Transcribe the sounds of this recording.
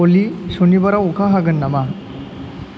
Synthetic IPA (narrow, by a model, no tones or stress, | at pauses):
olisonibaɾaukʰaɦaɡɯnːama